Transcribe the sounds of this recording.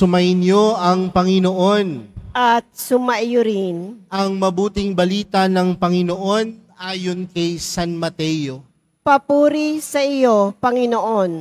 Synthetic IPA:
sʊmɐjɪnjoʔɐŋpɐŋɪnoʔo̞nʔɐt̪̚sʊmɐʔjʊɾɪnɐŋmɐbuːt̪ɪŋbɐliːt̪ɐnɐŋpɐŋɪnoʔo̞nʔaːjo̞nkɐjsanmɐt̪ɛjo | pɐpuːɾisɐʔɪjopɐŋɪnoʔon

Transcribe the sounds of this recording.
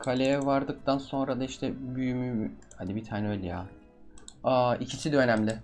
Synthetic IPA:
kʰalʲejɛvaɾd̪ɯk̚t̪ʰanso̞nɾad̪aiʃt̪ʰɛbyjymyhad̪ibit̪ʰaːnɛø̞jlʲɛjaː | aːicʰisid̪ønæmlʲɪ

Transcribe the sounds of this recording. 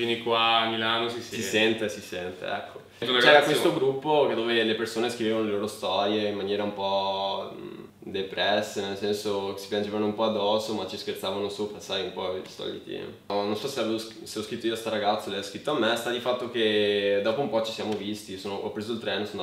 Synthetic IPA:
finikwamilanosisssisɛnt̪esisɛnt̪ḛɛ̰kʰːouaɡt͡ʃɛɾakwest̪oɡɾupːoked̪ːoːvelepersoːneskɾivevanoleloːɾost̪ɔɾjeimːanjɛːɾaumpɔ | d̪epɾɛsːenelsɛnsosi̥pjand͡ʒevanoumpɔad̪ːɔːsomat͡ʃːiskert̪saːvanosoːpɾasajumpɔest̪ɔ̰ʎːḛt̪ḭ | nonsɔseaveːvos | seɔskɾit̪ːoiost̪aɾaɡat̪solajɔskɾit̪ːoamːest̪ad̪ifat̪ːok̟ed̪ɔːpoumpɔt͡ʃi̥sjaːmovist̪isoːnoʔɔ̰pːɾeːzoilt̪ɾɛːnson

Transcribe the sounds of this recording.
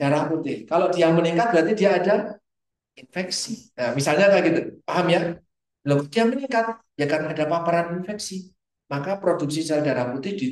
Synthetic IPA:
d͡ʒ̥aɾahput̪ɪhkaloʔdijaŋməniŋkat̪̚bəɾat̪idiaːda | infɛksiamisalɲakaɡit̪upaɦamja | loɡudiaməniŋkat̪̚d͡ʒakarnaadapapaɾaninfɛksi | makapɾoduk̚s̬isalad͡ʒaɾahput̪ɪhdi

